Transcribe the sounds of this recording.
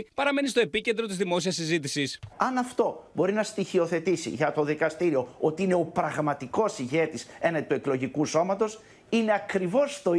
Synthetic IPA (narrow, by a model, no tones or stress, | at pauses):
pɐɾɐme̞nist̪o̞epice̞nd̪ɾo̞t̪izðimo̞siɐsːizit̪̬isisɐnɐft̪o̞bo̞ɾinɐst̪içio̞θe̞t̪isḭʝɐt̪o̞ðikɐst̪iɾio̞ot̪iine̞o̞pɾɐɣmɐt̪iko̞siʝe̞t̪ise̞nɐt̪ue̞klo̞ʝikuso̞mɐt̪o̞s | ineɐkɾivo̞st̪o̞